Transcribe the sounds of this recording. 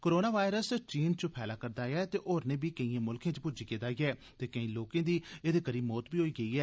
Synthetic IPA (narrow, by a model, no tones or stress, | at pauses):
koːɾoːnaːʋaːɪɾəst͡ʃiːnt͡ʃəpʰɛːlaːkəɾd̪aːjaːt̪eːʔoːɾneːbiːkəĩːẽːmʊlkẽːt͡ʃpʊd͡ʒiːkeːd̪aːiːɛː | t̪eːkəĩːloːkẽːd̪iːeːd̪eːkəɾiːbmɔːt̪biːɦoːiːɡəiːɛː